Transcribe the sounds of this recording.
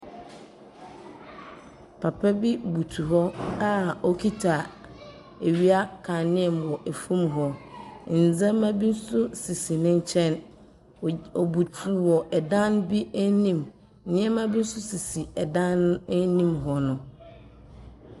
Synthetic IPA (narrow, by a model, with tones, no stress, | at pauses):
pʰa˨pʰɛ˦bi˦bu˨tʰu˨ɦɔ˦a˦ɔ˦kʰi˦tʰa˨ | e˨ɥi˦a˦kʰã˨nɪ̃˦ɛ˨mwɔ˨ʔe˨fũ˦mɦɔ˦n̩˨d͡zã˦mã˦bi˦n̩˦sʊ˦si˨si˨nɪ̃˦ɲ˦t͡ɕʰɛ̃˦n | ɔ˨bu˨tʰu˨wɔ˨ʔɛ˨dã˦n˦bi˦æ˦nĩ˦m˦ | nɪ̃˦ɛ̃˦mã˦bi˦n̩˦sʊ˦si˨si˨ɛ˨dã˦n˦nĩ˦mɦɔ˨nʊ̃˨